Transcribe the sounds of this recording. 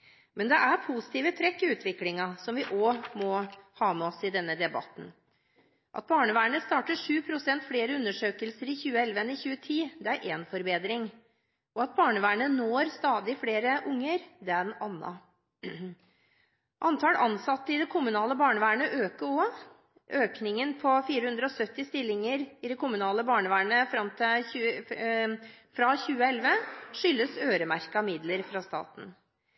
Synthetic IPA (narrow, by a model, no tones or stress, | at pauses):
mɛnd̪ɛʔæɾpʰusɪ̥t̪ʰiːʋət̪ʰɾɛkːɪʉːt̪ʋɪklɪŋɑsɔmʋɪʔomɔhɑːmɛɔsɪd̪ɛnːəd̪ɛbɑ̰t̪ːn̩ | ʔɑ̰t̪̚bɑːɳəʋæːɳəst̪ɑːʈəʂʉːpʰɾʊsɛnt̪fleːɾəʉnːəʂøːkəlsəɾɪçʉːəɛlʋəɛnːəçʉːət̪ʰiːd̪ɛæɾʔeːnfɔɾbeːd̪ɾɪŋ | ʔɔɑt̪̚bɑːɳəʋæːɳənoːɾst̪ɑːd̪ɪfleːɾəʔʊŋːəɾd̪ɛɑnːɑ̰ | ʔɑnt̪ʰɑːlɑnsɑt̪ːəɪd̪ɛkʰʊmʉnɑːləbɑːɳəʋæːɳəʔøːkəɔ | ʔøːknɪŋənpʰɔfiːɾəhʉnd̪ɾəɔsœt̪ːɪst̪ɪlːɪŋəɾɪd̪ɛkʰʊmʉnɑːləbɑːɳəʋæːɳəfɾɑmt̪ʰɪʉ | fɾɑçʉːəɛlʋəʂʏlːəsøːɾəmæɾkɑmɪd̪ləɾfɾɑst̪ɑ̰ːt̪n̩